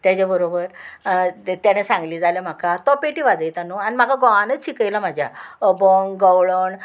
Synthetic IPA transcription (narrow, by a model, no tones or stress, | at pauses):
t̪jad͡ʑabəɾobəɾ | t̪jañesãŋɡliːd͡zalam̤akat̪ɔpeʈiʋad͡zəjt̪anuanim̤akaɡɔanət͡st͡ɕikəjlam̤ad͡ʑʱja̰əboŋɡəwɭoɳ